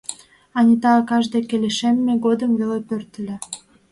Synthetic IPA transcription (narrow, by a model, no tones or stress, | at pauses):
ɑnʲit̪ɑːkɑʒd̪ekːeleʃemːeɡod̪əmvelepørt̪ə̆lʲĕ